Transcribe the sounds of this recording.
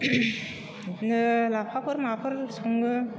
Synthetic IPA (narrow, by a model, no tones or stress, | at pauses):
nɯlapʰapʰɯɾmapʰɯɾsʰoŋɡɯ